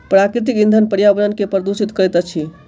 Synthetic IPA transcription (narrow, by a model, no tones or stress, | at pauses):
pɾakɾit̪̬ikĩnd̪ʱənpəɾjabənənkepɾəd̪usit̪kəɾɛt̪ət͡ʃʰi